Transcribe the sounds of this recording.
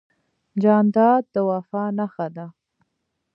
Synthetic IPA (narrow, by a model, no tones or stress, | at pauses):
d͡ʒɑnd̪ɑd̪̚ːəwafɑnaxad̪a